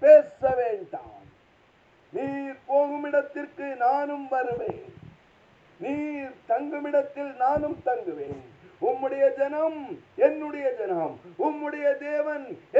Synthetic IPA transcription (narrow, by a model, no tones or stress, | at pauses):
peːsɐʋeːnd̪a̰ːn | niːɾpoːŋɡɯmɪɽɐt̪ːɪrkɯnaːnɯmʋɐɾɯʋeːn | niːɾt̪ɐŋɡɯmɪɽɐt̪ːɪlnaːnɯmt̪ɐŋɡɯʋeːnʊmːɯɽɐjɐd͡ʒɐnɐmɛnːɯɽɐjɐd͡ʒɐnɐmʊmːɯɽɐjɐd̪eːʋɐnɛ